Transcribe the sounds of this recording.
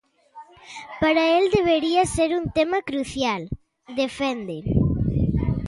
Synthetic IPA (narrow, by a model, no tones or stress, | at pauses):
paɾaeld̪eβ̞eɾiaseɾunt̪emɐkɾuθjal | d̪efend̪eɾ